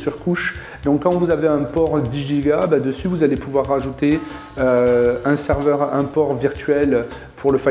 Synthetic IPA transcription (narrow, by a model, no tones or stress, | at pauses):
syʁkuʃ | d̪ɔ̃kːɑ̃vuzaveɛ̃pɔʁd̪iʒiɡabad̪əsyvuzalepuvwaʁːaʒut̪e | øɛ̃sɛʁvœʁɛ̃pɔʁviʁt̪ɥɛl | pʰuʁləfa